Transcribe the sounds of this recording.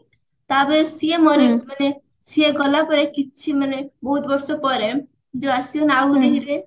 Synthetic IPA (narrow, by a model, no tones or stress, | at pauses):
t̪abeɾsiemɔɾimane | sieɡɔlapɔɾekit͡ʃʰimanebɔɦut̪bɔɾsɔpɔɾe | d͡ʒoasiɔnaɡuneɦiɾe